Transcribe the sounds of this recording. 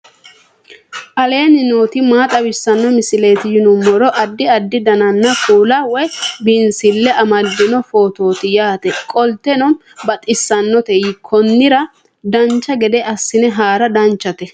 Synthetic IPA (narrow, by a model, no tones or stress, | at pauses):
ʔɐle̞ːnɪnoːt̪ɪmaːt̪ʼɐwɪsːɐnːɔmɪsɪleːt̪ɪjɪnʊmːɔɾɔʔɐd̪ːɪɐd̪ːɪd̪ɐnɐnːɐfuːlɐwɔjbɪnsɪlːɛɐmɐd̪ːɪnɔfo̞ːt̪o̞ːt̪ɪjaːt̪ɛkʼɔlt̪ɛnɔn | bɐt̪ʼɪsːɐnːɔt̪ɛjɪkʰɔnːɪɾɐ | d̪ɐnt͡ʃːɐɡɛd̪ɛʔɐsːɪnɛɦaːɾɐd̪ɐnt͡ʃːɐt̪ɛ